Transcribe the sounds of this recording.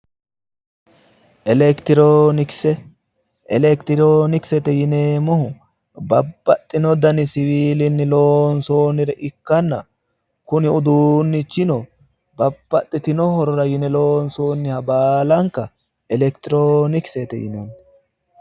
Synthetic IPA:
ʔɛlɛkt̪ɪɾoːnɪksɛ | ʔɛlɛkt̪ɪɾoːnɪksɛt̪ɛjɪneːmɔhʊ | bɐbːɐt̪ʼːɪnɔd̪ɐnɪsɪwiːlɪnːɪloːnsoːnɪɾɛʔɪkːɐnːɐ | kʊnɪʊd̪uːnːɪt͡ʃːɪnɔ | bɐb̥ːɐt̪ʼːɪt̪ɪnɔhɔɾɔɾɐjɪnɛloːnsoːnːɪhɐbaːlɐŋkɐ | ɛlɛkt̪ɪɾoːnɪksɛt̪ɛ̰jɪ̰nɛn

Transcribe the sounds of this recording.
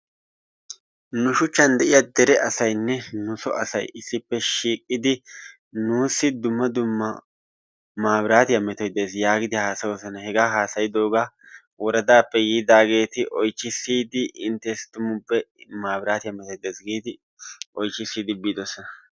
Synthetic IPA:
nʊʃʊt͡ʃːɐnd̪ɛʔɪjad̪ɛɾɛʔɐsɐjnːɛnʊsɔ̰ʔɐsɐjɪsːɪpːɛʃiːkʼːɪd̪ɪ | nuːsːɪd̪ʊmːɐd̪ʊmːɐ | maːbɪɾaːt̪ɪjɐmɛt̪ɔjd̪ːe̞ːsjaːɡɪd̪ɪhaːsɐwɔsɐnɐhɛɡaːɦaːsɐjɪd̪o̞ːɡaː | wɔɾɐd̪aːpːɛɡiːd̪aːɡe̞ːt̪ɪʔɔjt͡ʃːɪsːiːd̪ɪʔɪnt̪ːɛst̪ʊmʊbːɛmaːbɾaːt̪ɪjɐmːɛt̪ɔjd̪eːsɡiːd̪ɪ | ɔjt͡ʃːɪsːiːd̪ɪbiːd̪ɔsːɔnɐ

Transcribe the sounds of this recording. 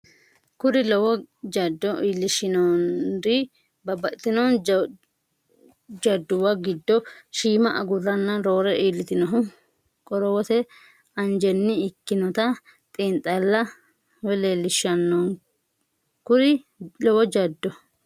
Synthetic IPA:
kʊɾɪlɔwɔd͡ʒɐd̪ːɔʔiːlːɪʃɪnond̪ɪ | bɐbɐt̪ːɪnɔn | d͡ʒɐd̪ːʊwɐɡɪd̪ːɔʃiːmɐʔɐɡʊrːɐnːɐɾoːɾɛʔiːlːɪt̪ɪnɔɦʊ | kʼɔɾɔwɔt̪ɛ | ɐnd͡ʒɛnːɪɪkːɪnɔt̪ɐ | t̪ʼiːnt̪ʼːɐlːɐ | wɛleːlːɪʃːɐnːon | kʊɾɪ | lɔwɔd͡ʒɐd̪ːɔ

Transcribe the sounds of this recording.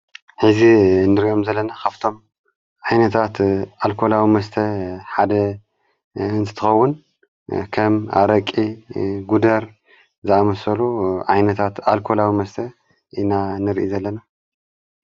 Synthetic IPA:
ħɨzinɨɾiʔo̞mzɐlːɐnakaβt̪ʰo̞m | ʕajnɐt̪ʰat̪ʔalkʰo̞lawimɐst̪ʰɐħad̪ɐ | ɨnt̪ʰɨ̥t̪ʰɨxɐwːʊn | kʰɐma̰ɾɐkʼːiɡud̪ɐɾ | zɨamɐsɐluʕajnɐt̪ʰat̪alkʰolawimɐst̪ʰɐ | ʔinanɨɾʔizɐlːɐna

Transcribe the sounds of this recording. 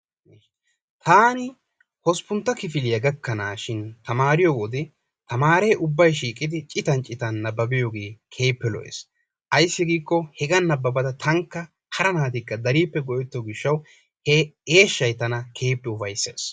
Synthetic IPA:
t̪ʰaːnɪ | hɔspʊnt̪ːɐkɪfɪlɪjɐɡɐkːɐnaːʃɪnt̪ɐmaːɾɪjowɔd̪ɪ | t̪ɐmaːɾejʔʊbːɐjʃ̬iːkʼɪd̪ɪt͡ʃʼɪt̪ɐnt͡ʃʼɪt̪ɐnːɐbːɐbɪjoːɡe̞ːkʰe̞ːpːɛlɔ̰ʔḛːs | ʔɐjsːɪɡiːkːɔhɛɡɐnːɐbːɐbɐd̪ɐt̪ʰɐŋkːɐ | hɐɾɐnaːt̪ɪkːɐd̪ɐɾiːpːɛɡɔʔɛt̪ːoɡɪʃːɐw | hɛe̞ːʃːɐjt̪ɐnɐkʰe̞ːpːɛʊfɐjsːḛːs

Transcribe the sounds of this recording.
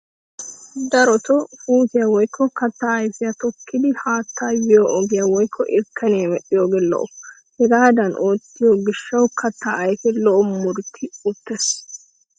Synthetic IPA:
d̪ɐɾɔt̪ɔfuːsɪjawɔjkʰːɔkɐt̪ːaːɐjfɪjɐt̪ɔkʰːɪd̪ɪhaːt̪ːaːjbɪjoʔɔɡɪjawɔjkʰːɔʔɪɾkʰːɐnemɛɗɪjoːɡelɔ̰ʔɔ | hɛɡaːd̪ɐnʔoːt̪ːɪjoɡɪʃːɐwkʰɐt̪ʰːaʔɐjfɛlɔʔɔmʊɾt̪ʰːɪʊt̪ːes

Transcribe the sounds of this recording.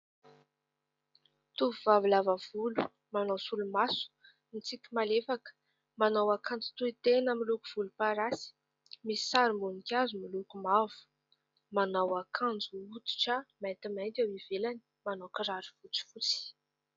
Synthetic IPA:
t̪uvuvavilavav̥ulu̥ | manawsulumasu̥ | nit͡sikʲimalefakə̥ | manawakãnd͡zu̥t̪uit̪enəmilukuv̥ulupaɾasi̥ | misi̥saɾimbunikʲazumilukumavu̥ | manawakʰand͡zuut̪i̥ʈ͡ʂamant̪imant̪awiv̥elani̥ | manokiɾaɾivut͡si̥fut͡si̥

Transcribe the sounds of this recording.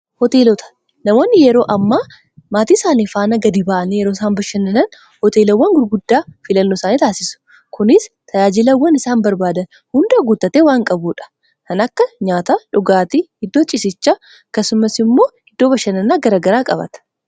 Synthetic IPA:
hɔt̪eːlɔt̪ɐ̥ | nɐmoːnːɪjɛɾo̞ːʔɐmːaː | maːt̪iːsaːniːfaːnɐɡɐd̪ibaːʔɐnijɛɾoɪsaːnbɐʃːɐnɐnɐn | hɔt̪eːlɐwːɐŋɡʊɾɡʊd̪ːaːfɪlɐnːoːsaːniːt̪aːsɪsʊ̥ | kʊnɪst̪ʰɐjaːd͡ʒɪlɐwːɐnɪsaːnbɐɾbaːd̪ɐn | hʊnd̪ɐɐɡʊt̪ːɐt̪eːwaːŋkʼɐbuːᶑɐ̥ | kɐnɐkːɐɲaːt̪aᶑʊɡaːt̪ihɪd̪ːoːt͡ʃʼɪsɪt͡ʃːa | ɐkːɐsʊmɐsɪmːo̞ːhɪd̪ːoːbɐʃːɐnɐnːaːɡɐɾaːɡɐɾaːkʼɐbɐ̰t̪ɐ̥

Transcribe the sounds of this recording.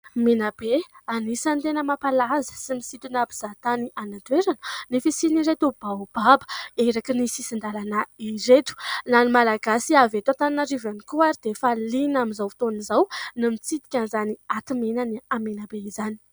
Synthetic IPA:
menab̥eanisant̪enəmapalazə̥simisit̪inabiz̥at̪anianad̪ueɾanə̥nefisiniɾet̪ub̥ab̥abə̥eɾakinisisind̪alanaiɾet̪u̥lanimalaɡasiavet̪at̪aninaɾivanikuaɾid̪efalinaminzawfi̥t̪onizawnamit͡sit̪i̥kʲanzaniat̪imenaniamenabeizani̥

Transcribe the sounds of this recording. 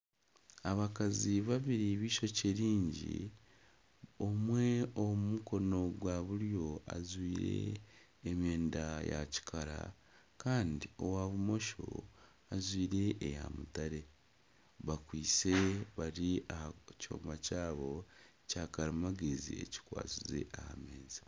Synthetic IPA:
aβakaziβaβiɾiβiːʃo̞ceɾiːɲɟḭ | o̞mwe̞omumuko̞no̞ɡwaβuɾjo̞a̰zwiːɾe̞̰ː | mjeːndaja̰ci̥kʰaɾa̰ | kaːndio̞waβumo̞ʃo̞̰ | azwiːɾe̞ʔeja̰mutaɾe̞ | βakwiːt͡se̞βaɾiahaco̰ːmbacaːβo̞ | caːkaɾamaɡezḭe̞̰ci̥kwa̰ːt͡sizḛʔaha̰me̞ːzi

